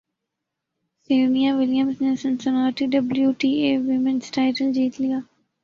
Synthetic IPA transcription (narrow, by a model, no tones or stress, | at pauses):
seːnijaʋɪljəmsnesɐ̃nsənaːɾʈiɖɐbljuʈiːeːʋɪmɪ̃nsʈaɪʈəld͡ʒiːt̪lijaː